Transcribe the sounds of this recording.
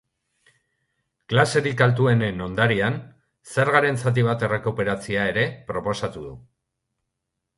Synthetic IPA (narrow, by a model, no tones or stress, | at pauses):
klase̞ɾikalt̪ue̞neno̞nd̪aɾian | se̞ɾɣaɾe̞nt͡sat̪̬iβ̞at̪e̞re̞kupe̞ɾat͡siae̞ɾe̞pɾo̞po̞sat̪uðu